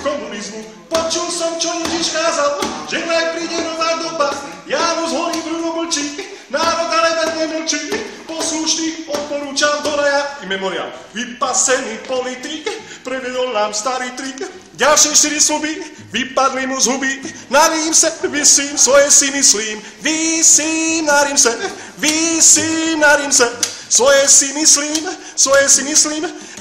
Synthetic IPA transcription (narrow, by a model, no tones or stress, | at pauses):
kɔmunizmu | pɔt͡ʃulsɔmt͡ʃɔjɛʒiʃkaːzalʒ̥ɛnajpɾiːɟɛnɔʋajd̪ɔpas | jaːmuzɦɔɾiːmvɾuɦɔml̩t͡ʃik | naːɾɔd̪alɛd̪ɛɾɛjməlt͡ʃipɔsluʃniːmɔt̪̚pɔɾuːt͡ʃamd̪ɔɾajaimɛmɔɾia̰lʋipasɛnipɔlit̪ikpɾɛʋɛd̪ɔlnaːmst̪aɾiːt̪ɾik | ɟalʃɪɛʃt̪iɾislubi | ʋipad̪limuzɦubinaɾiimsɛʋisliːmsʋɔjɛsimisliːm | ʋisinaɾiːmsɛ | ʋisinaɾimsɛsʋɔjɛsimisliːm | sʋɔjɛsimisliːm